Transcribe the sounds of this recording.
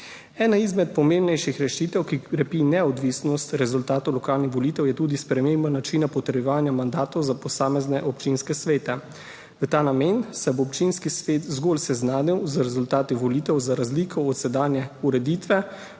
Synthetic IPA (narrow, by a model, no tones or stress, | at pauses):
ɛːnaizmɛt̪̚pɔmẽmbnɛjʃixɾɛʃit̪ɛwkiɾɛpinɛɔd̪ʋiːsnɔst̪ɾɛzult̪aːt̪ɔwlɔkaːlnixʋɔliːt̪ɛwjɛt̪uːd̪ispɾɛmembanat͡ʃiːnapɔt̪ɾjɛʋaːnjamand̪aːt̪ɔwzapɔsaːmɛznɛʔɔpt͡ʃinskɛsʋeːt̪ɛ | ʋət̪aːnameːnsɛboɔpt͡ʃinskisʋeːt̪zɡolsɛznaːniwzɾɛzult̪aːt̪iʋɔliːt̪ɛwzaɾazlikʰɔːt̪sɛd̪aːnjɛuɾɛd̪iːt̪ʋɛ